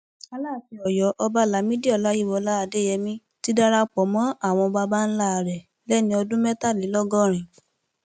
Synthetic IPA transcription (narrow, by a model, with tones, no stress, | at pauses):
a˦la˦˨fi˨˧˦ɔ˨jɔ˨˦ʔɔ˧ba˦la˨˦mĩ˦di˦ɔ˦˨la˨˦ji˦˨wɔ˨˧˦la˦a˧de˦jɛ˧mĩ˦ | ti˦da˦ɾa˧k͡pɔ˨˦mɔ̃˨˦a˦˨w̃ɔ̃˧ba˧ba˦n̩˦la˦˨ɾɛ˨ | lɛ˦nĩ˧ɔ˧dũ˦mɛ˦ta˦˨li˨˦lɔ˦ɡɔ˦˨ɾ̃ĩ˨